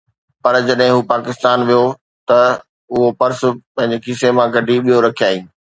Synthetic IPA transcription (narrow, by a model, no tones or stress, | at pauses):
pɐɾd͡ʑɐɗɦɪ̃ɦuːpaːkɪst̪aːnʋijo | t̪ɐ | ʊɦopɐɾsʊ̆pɐ̃ɦɪ̃ɲ̆d͡ʑekɪsemãɡʱɐɖʱiɓijoɾɐkʰijaːĩː